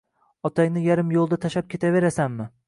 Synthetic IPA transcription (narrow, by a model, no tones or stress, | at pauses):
ɒt̪ʰajnɪjaɾɪmjolˠd̪at̪ʰaʃap̚kʲʰe̞t̪ʰave̞ɾasanmɪ